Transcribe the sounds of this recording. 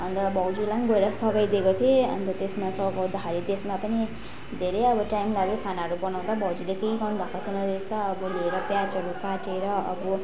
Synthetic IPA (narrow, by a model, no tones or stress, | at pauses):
ʌnt̪ʌbʱʌwd͡zilaŋɡoeɾʌsʌɡʌjd̪ekot̪ʰieʌ̰nt̪ʌt̪esmasʌɡʌd̪aɦaɾit̪esmapʌni | d̪ʱeɾʌjʌbʌʈajmlaɡekʰanaɦʌɾubʌnaw̃d̪abʱʌwd͡zilekejɡʌnbʱakot̪ʰinʌd̪est̪ʌːbʌleeɾʌpjad͡zʌɾukaʈeɾʌʌ̰bʌ